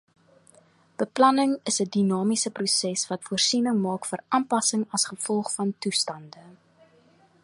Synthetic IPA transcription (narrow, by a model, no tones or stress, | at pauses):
b̥əplɐnəŋəsədinɑːmisəprusɛsvɐtfuərsinəŋmɑːkfərɑːmpɐsəŋɐsχəfɔlˠχfɐntustɐndə